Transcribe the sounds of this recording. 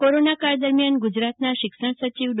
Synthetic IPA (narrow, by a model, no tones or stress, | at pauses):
koɾonakaɾd̪əɾmjanɡud͡ʒɾat̪naʃɪkʃəɳ̃sət͡ʃiʋɖ